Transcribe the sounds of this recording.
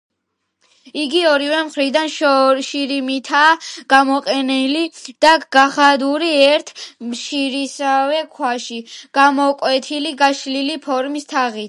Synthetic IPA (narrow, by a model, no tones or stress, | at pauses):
iɡiɔɾivɛmχɾid̪anʃʃiɾimit̪ʰaːɡ̥amɔqʼɛnɛlid̪̥aɡ̥aχad̪uɾiɛɾt̪ʰmʃiɾisavɛkʰwaʃiɡ̥amɔkʼwɛt̪ʰiliɡaʃlilipʰɔɾmist̪ʰaʁit̪